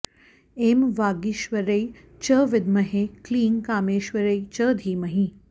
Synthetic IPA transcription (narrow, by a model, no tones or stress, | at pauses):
emʋaːɡiʃʋəɾɐi | t͡ʃəʋɪd̪mɐɦekliːŋkaːmeːʃʋɐɾɐit͡ʃəːd̪ʱiːmɐɦĩ